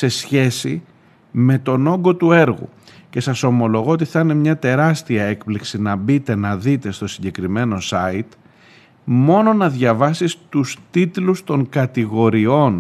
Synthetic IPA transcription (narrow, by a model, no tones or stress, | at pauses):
se̞sçe̞si | me̞t̪o̞no̞ɡo̞t̪ue̞ɾɣṵ | ce̞sɐso̞mo̞lo̞ɣo̞ot̪iθɐne̞mɲɐt̪e̞ɾɐst̪iɐe̞kpliksinɐbit̪e̞nɐðit̪e̞st̪o̞siɲɟe̞kɾime̞no̞sɐit̪ | mo̞no̞nɐðʝɐvɐsist̪ust̪it̪lust̪o̞ŋkɐt̪iɣo̞ɾio̞n